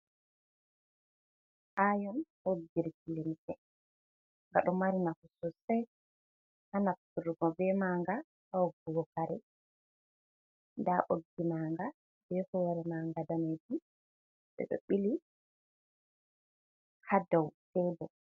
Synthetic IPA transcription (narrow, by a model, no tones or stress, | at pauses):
ʔajɔm | oɡːiɾkilemitɛ | ŋɡaɗɔmaɾinahusɔsɛj | hanatuɾɡɔbɛmaːŋɡa | aɔɡɔwɔkaɾɛ̰ | ndaʔoɡːimaːŋɡa | bɛhɔɾɛmaŋɡadamadu | ɓɛ̰ɗo̰ɓili | hadawtɛbɔ